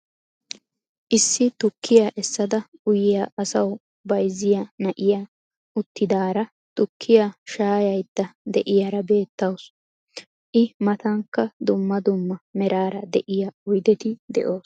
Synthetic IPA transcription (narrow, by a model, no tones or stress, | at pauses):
ʔɪsːɪt̪ʊkːɪjaʔɛsːɐd̪ɐʊjɪjaʔɐsɐw | bɐjzːɪjɐnɐʔɪja | ʊt̪ːɪd̪aːɾɐ | t̪ʊkʰːɪjaʃaːjɐjd̪ːɐd̪ɛʔɪjaɾɐbe̞ːt̪ːɐws | ʔɪmɐt̪ɐŋkːɐd̪ʊmːɐd̪ʊmːɐmɛɾaːɾɐd̪ɛʔɪjɐʊjd̪ɛt̪ɪd̪ɛ̰ʔoːs